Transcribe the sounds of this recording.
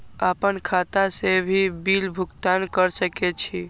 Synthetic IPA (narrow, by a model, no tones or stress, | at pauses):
apənkʰat̪asebʱibilbʱukt̪ankəɾsəkɛt͡ʃʰi